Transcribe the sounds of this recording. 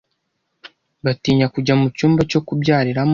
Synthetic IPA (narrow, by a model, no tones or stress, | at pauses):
βatiːɲakuɟamucuːmbat͡ʃo̞kubɟaːɾiɾam